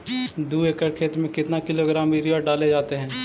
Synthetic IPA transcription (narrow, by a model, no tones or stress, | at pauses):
d̪uːekəɾkʰeːt̪mẽkɪt̪nakɪloːɡɾaːmʋiːɾiaɖaːled͡ʒaːt̪eɦɛ̃ː